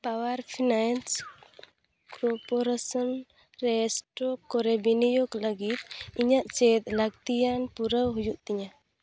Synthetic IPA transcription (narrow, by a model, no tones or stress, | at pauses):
pawaɾpʰinans | kɔɾpɔɾasɔn | ɾɛsʈɾɔkːɔɾɛbinijoɡləɡit̪̚iɲaʔt͡ʃet̪laɡ̚t̪ijanpuɾəwɦujuʔt̪iɲa